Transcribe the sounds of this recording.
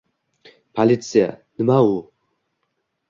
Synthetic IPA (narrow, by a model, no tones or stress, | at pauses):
pʰalit̪sija̰nɨmau